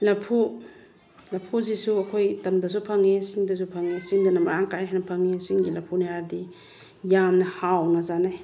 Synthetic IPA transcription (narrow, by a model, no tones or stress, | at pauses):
lɐpʰu | lɐpʰuzisuɐkʰojtɐmdɐs̬upʰaŋesiŋdɐs̬upʰaŋesiŋdɐnɐmɐɾaŋkajɦajnɐpʰaŋesiŋɡilɐpʰunajaɾdi | jamnɐhawnɐzanaj